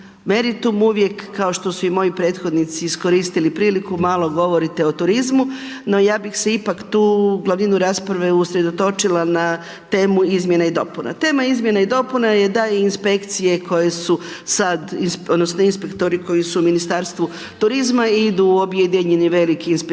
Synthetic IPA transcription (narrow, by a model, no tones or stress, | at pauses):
me̞ɾit̪umuʋje̞kːao̞ʃt̪o̞suimo̞jipɾe̞ːt̪xo̞d̪nit̪siːsko̞ɾiːst̪ilipɾiːlikumaːlˠo̞ɡo̞ʋo̞ɾit̪e̞ot̪uɾizmu | no̞jaːbixseipakt̪uːɡlˠaʋninuɾaːspɾaʋe̞usɾe̞d̪o̞t̪o̞t͡ʃilana | t̪e̞ːmuizmje̞naid̪o̞puna̰t̪e̞ːmaizmje̞naid̪o̞punaje̞d̪aiːnspe̞kt̪sije̞kʰo̞je̞su | sad̪insod̪nosnoinspe̞kt̪o̞ɾiko̞jisuminist̪aːɾst̪ʋu | t̪uɾizmaid̪uobjed̪iɲeniʋe̞likiːnspe